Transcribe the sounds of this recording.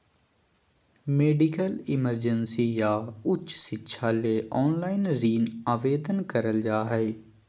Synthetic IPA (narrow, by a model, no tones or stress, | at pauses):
meːɖɪkəlɪməɾd͡ʒənsiːjaːʊtt͡ʃːsɪtːʃʰaːleːʔɔːnlaːinɾiːnaːʋeːd̪ənkəɾəld͡ʒaːɦɛeː